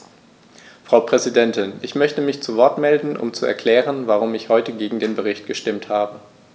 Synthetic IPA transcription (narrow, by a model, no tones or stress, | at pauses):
fʁ̥aʊpʁ̥ɛzidɛntɪnʔɪçmœçtəmɪçt͡suvɔɐtmɛldn̩ʔʊ̰mt͡suɛ̰ɐkʰl̥ɛːʁ̞ənvaʁ̞ʊmɪçhɔʏtəɡeːɡŋ̩deːnbəʁɪçtɡ̥əʃtɪmthaːbə